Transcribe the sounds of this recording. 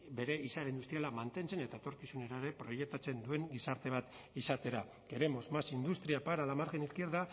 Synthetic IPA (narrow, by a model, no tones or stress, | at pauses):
be̞ɾe̞isaɾaind̪ust̪ɾialamant̪e̞nt͡se̞ne̞t̪aet̪o̞ɾkisuneɾaeɾe̞pɾo̞je̞k̚t̪at͡se̞nd̪ue̞ŋɡisaɾt̪e̞β̞at̪ | isat̪e̞ɾa | ɡ̥e̞ɾe̞mo̞zmasind̪ust̪ɾiapaɾalamaɾxeniskieɾða